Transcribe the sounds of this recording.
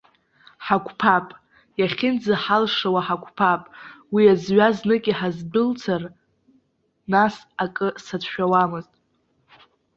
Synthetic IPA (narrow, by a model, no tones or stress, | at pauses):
ħakʷʰʼpʰapʼ | jaχʲɪnd͡zaħalʂawaħakʷʰʼpʰapʼwiazɥaznɨkʲʼiħazbʊlt͡sʰar | nas | akʼɨsatʰʃᶣawamɨztʼ